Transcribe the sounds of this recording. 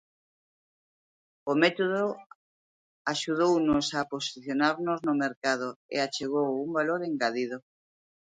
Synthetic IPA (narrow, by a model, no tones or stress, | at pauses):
omɛt̪oðo | aʃuð̞ownʊsaposiθjonaɾnoznomeɾkað̞oḛat͡ʃeɣowumbaloɾeŋɡaðið̞o